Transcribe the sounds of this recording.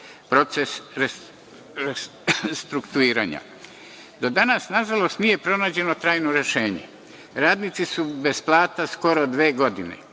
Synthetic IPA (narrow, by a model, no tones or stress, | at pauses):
pɾo̞t̪sesɾe | ɾe | st̪ɾukt̪uiːɾa̰ːɲa̰ | d̪o̞d̪anasnaʒalo̞st̪nije̞pɾo̞naːd͡ʑe̞no̞t̪ɾaːjnoɾe̞ʃe̞ːɲḛ | ɾaːd̪nit̪sisube̞splˠaːt̪asko̞ɾod̪ʋeːɡo̞d̪inḛ